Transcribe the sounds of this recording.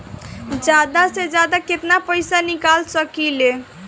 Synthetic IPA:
d͡ʒjad̪ased͡ʒjad̪aket̪napəɪsanikalsəkile

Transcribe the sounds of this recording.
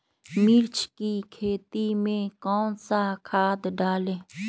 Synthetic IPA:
mɪɾt͡ʃʰkikʰeːt̪imẽkɔːnsakʰaːd̪ɖaːlẽː

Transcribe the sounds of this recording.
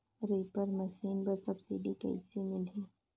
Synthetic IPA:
ɾeːpəɾmɐsiːnbəɾsɐbsḭɖikɐ̰ḭsimɪlɦeː

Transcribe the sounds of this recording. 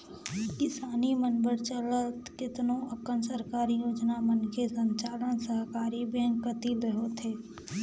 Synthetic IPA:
kɪsaːnimənbəɾt͡ʃələt̪kɪt̪nõəkənsəɾkaːɾijoːd͡ʒnamənkʰesə̃ɲt͡ʃaːlənsəɦkaːɾibɛ̃ːŋɡkət̪ilɾəɦot̪ʰeː

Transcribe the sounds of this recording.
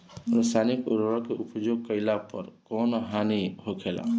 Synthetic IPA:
ɾsʰaːnikʊ̰ɾoɾãkeʔʊpd͡ʒoːɡ̚kəɪlapəɾkɔːnɦaːniɦokʰeːla̰ː

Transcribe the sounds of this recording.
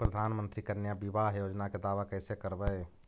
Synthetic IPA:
pɾəd̪ʱanmənt̪ɾikənjabibaɦjod͡ʒnaked̪aʋakəjsekəɾbɛj

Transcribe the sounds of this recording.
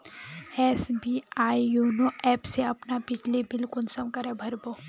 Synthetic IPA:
ɛːsbiaːijunoʔɛːpseɐpnapɪd͡ʒʱlibɪlkʊlsɐmkɐɾebʱɐɾboː

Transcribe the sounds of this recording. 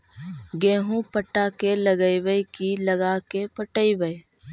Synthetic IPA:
ɡẽːɦũpəʈːaːkeləɡəiʋəjkilɐɡakepəʈəibəj

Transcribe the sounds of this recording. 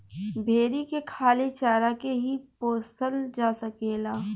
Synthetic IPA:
bʱeːɾikekʰaːlet͡ʃaːɾakeɦipoːsəld͡ʒaːsəkeːlaː

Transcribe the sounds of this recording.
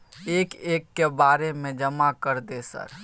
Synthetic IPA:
eːkeːkːebaːɾemẽd͡ʒəmakəɾd̪esə̰ɾ

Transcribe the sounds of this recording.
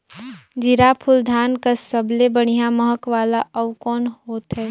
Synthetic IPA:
d͡ʒɪɾapʰʊld̪ʱaːnkəsəblebəɽ̤̃ijaməɦəkʋaːlaʔɐʋkɔːnhoːt̪ɦɛː

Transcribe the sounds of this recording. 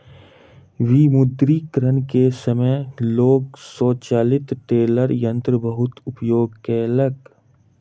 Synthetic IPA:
ʋimʊd̪ɾikɾənkesəməloːɡsɔːt͡ʃaːlɪt̪ʈeːləɾjə̃nt̪ɾəbəɦʊt̪ʊpjoːɡkeːləɡ

